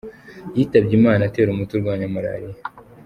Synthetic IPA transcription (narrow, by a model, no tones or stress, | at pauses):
jiːtabɟimaːnate̞ːɾumutuɾɡwaːɲamuɾa̰ːɾija